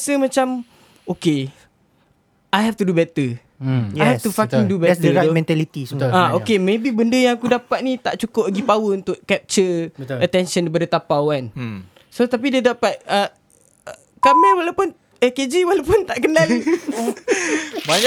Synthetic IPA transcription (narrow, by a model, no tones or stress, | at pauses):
səmãt͡ʃam | oke | ajɦɛft̪udubɛt̪ə | ajhɛt̪ufakiŋdubɛt̪əomɛ̃nt̪alit̪iaokemebibəndəjãŋakudapat̪̚nĩt̪aʔt͡ʃukʊp̚laɡipawəunt̪ʊʔkɛp̚t͡ʃəbəət̪ɛnʃənipadət̪apawan | sot̪ap̬idadapat̪̚ə | kamɛlwalawpʊn | ɛked͡ʒiwalawpʊnt̪aʔkənali | ba